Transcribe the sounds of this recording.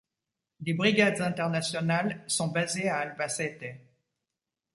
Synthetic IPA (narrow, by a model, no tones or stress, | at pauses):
d̪ebʁiɡad̪zɛ̃t̪ɛʁnasjɔnalsɔ̃bazeaːlbasɛt̪ɛ